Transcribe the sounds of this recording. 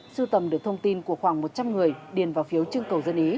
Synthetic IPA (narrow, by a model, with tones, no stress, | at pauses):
sɨ˧t̪ə˨˩mɗɨ˧˩ək̚t̪ʰə˧wŋ͡mt̪i˧nku˧˩əxwaː˧˩ŋmo˨˩t̚t͡ɕa˧mŋɨ˨˩əjɗi˨˩ənvaː˨˩wfi˨˦əwt͡ɕɨ˧ŋkə˨˩wzə˧nʔi˨˦